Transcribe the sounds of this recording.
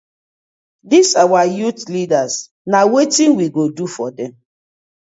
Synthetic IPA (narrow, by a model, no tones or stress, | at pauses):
disawajutlidas | nawetĩnwiɡodufɔdɛ̃m